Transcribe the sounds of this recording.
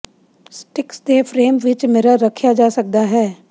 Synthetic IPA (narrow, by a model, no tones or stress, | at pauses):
sʈɪksd̪eːfʰɾeːmʋɪt͡ʃmeːɾaɾəkʰjad͡ʒaːsək̚d̪aɦɛː